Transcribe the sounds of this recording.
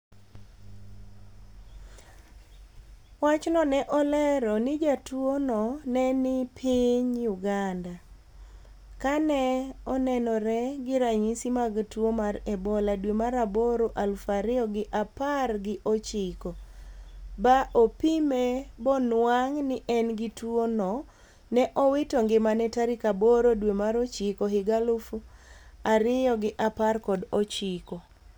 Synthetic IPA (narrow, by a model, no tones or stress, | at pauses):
wat͡ʃnɔnɛʔɔlɛɾɔnɪd͡ʒatwonɔnɛnɪpʰiɲjuɡanda | kanɛɔnɛnɔɾɛɡɪɾaɲisimaɡtwomaɾɛbɔladwemaɾaboɾoʔalfaɾɪjɔɡɪʔaparɡɪʔot͡ʃɪko | baʔopimebɔnwaŋnɪʔɛnɡɪtwonɔ | nɛʔɔwɪtoŋɡɪmanɛtaɾikaboɾodwemaɾot͡ʃɪkoɦɪɡalʊfuaɾɪjɔɡɪʔaparkɔdɔt͡ʃɪko